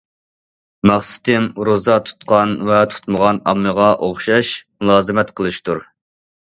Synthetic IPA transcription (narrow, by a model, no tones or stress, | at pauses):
mɑχsɪ̥t̪ɪmɾozɑt̪ʰu̥t̪qɑnvɛt̪ʰu̥t̪məʁɑnɑmːɨʁɑʔoχʃɑʃmulˠɑːzɨmɛt̪qʰəlˠɨʃt̪uɾ